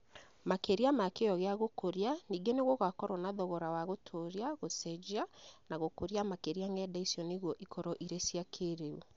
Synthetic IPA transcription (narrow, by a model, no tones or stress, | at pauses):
makeɾiamakejɔɣeaɣokoɾjaniːɡeneɣoɣakɔɾwɔnaðɔɣɔɾawaɣotʰoɾjaɣosɛd͡ʒianaɣokoɾiamakeɾiaŋɡɛdaisjɔneɣwɔʔikʰɔɾɔʔiɾesiakʰeɾeu